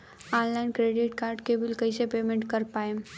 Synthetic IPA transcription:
ɔ̃ːnlaːɪnkɾeːɖɪʈkaːɾɖkebɪlkɐisepeːmẽɳʈkɐɾpaːẽ

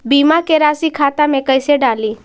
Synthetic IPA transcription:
bimakeɾasikʰat̪amẽkəjseɖali

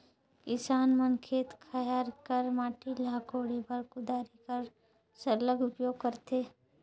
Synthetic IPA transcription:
kɪsaːnmənkʰeːt̪kʰɐjaːɾkəɾmaːʈilaːkoːɽepɐɾkʊd̪aːɾikəɾ | sɐɾləɡʊpjoːɡ̚kɐɾt̪eː

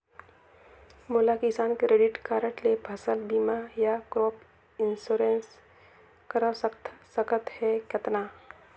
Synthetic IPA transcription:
moːlakɪsaːnkeɾeɖɪʈkaːɾəʈlebʱəsəlbiːmajakɾoːp | ɪnsoːɾens | kəɾəssəkət̪hɛkjət̪na

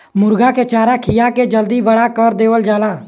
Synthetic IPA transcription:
mʊɾɡaket͡ʃaːɾakʰɪjaked͡ʒəld̪ibəɽakɔɾd̪eːʋəld͡ʒaːlaː

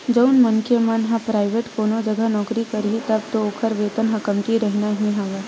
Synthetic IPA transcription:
d͡ʒəʊnməŋkʰjemanɦãpɾaːɪʋeːʈkoːnod͡ʒəɡʱənɔːkɾikəɾɦit̪ɐb̚t̪ooːkʰəɾʋeːt̪ənɦɐkəmkiɾəɦnaɦĩɦaːʋa

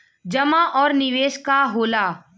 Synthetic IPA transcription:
d͡ʒəmaːʔɔːɾnɪʋeːʃkaːɦoːlaː

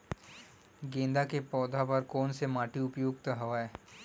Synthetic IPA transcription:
ɡẽːnd̪akepɔːd̪ʱapɐɾkɔːnsemaːʈiʊpjoːɡt̪əɦɐʋaːeː

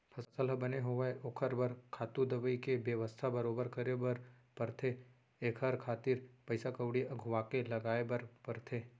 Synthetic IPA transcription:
pʰɐssəlbɐneɦoʋəeʔoːkʰəɾbɐɾkʰaːt̪ud̪ɐʋəikebjəʋəst̪ʰabɐɾoːbəɾkɐɾebɐɾ | pɐɾt̪ʰe | eːkʰɦɐɾkʰaːt̪iːɾpɐɪsakəwɽiɐɡʱʊʋakelɐɡaːebɐɾpɐɾt̪ʰeː

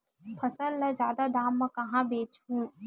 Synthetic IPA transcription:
pʰɐsəlːəd͡ʒjaːd̪ad̪aːmːɐ̃kɐɦãbeːt͡ʃɦũː

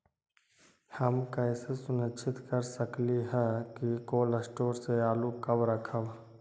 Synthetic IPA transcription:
hɐmkɛːsesʊnət͡ʃʰɪt̪kəɾsəkliɦɛkikoːləsʈoːɾseaːlukɐbɾəkʰəb

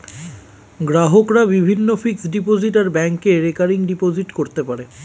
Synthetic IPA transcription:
ɡɾaɦokɾabibʱinːofiksɖipod͡ʑiʈaɾbɛŋkeɾekaɾiŋɖipod͡ʑiʈkoɾt̪epaɾe

